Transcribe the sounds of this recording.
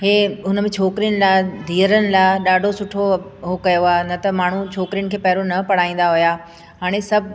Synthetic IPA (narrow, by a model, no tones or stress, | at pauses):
ɦeːʊnəmẽt͡ɕʰoːkɾijəñɪ̆laɪd̪ʱiːəɾənɪ̆laːɪɗaːɖʱosʊʈʰoɦokɐjoaːɦenɐt̪ɐmaːɳ̤ut͡ɕʰoːkɾijənɪ̆kʰeːpɐɦɪɾonɐpɐɽ̤aːĩːn̆d̪aɦʊjaː | ɦaːɽ̃esɐbʱ